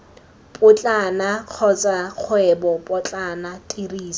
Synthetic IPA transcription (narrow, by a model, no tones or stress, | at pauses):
pʼʊt͡ɬʼanaq͡χʰɔt͡sʼaq͡χʰwɛbɔpʼɔt͡ɬʼanatʼiriːs